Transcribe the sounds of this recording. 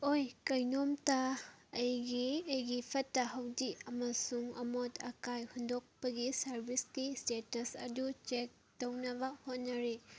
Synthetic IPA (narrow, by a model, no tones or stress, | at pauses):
ojkɐjnomtaːjɡiɐjɡipʰɐtːɐɦɐwdiɐmɐsuŋɐ̰motɐkajhundok̚pɐɡisɐɾbiskistetɐsɐ̰dut͡ʃek̚ | townɐbɐhot̚nɐɾe